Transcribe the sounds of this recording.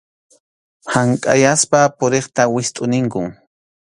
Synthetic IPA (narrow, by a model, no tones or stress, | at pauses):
haŋkʼa̰jaspapʊɾeχt̪awɪst̪ʼʊnɪŋkʊŋ